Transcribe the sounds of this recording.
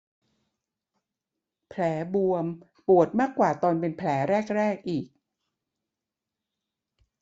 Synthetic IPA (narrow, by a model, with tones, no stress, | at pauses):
pʰlɛː˩˦bu˧əm | pu˨˩ət̪̚maː˥˩kːwaː˨˩t̪ɔː˧npe˧npʰlɛː˩˦ɾɛː˥˩k̚ɾɛː˥˩k̚ʔiː˨˩k̚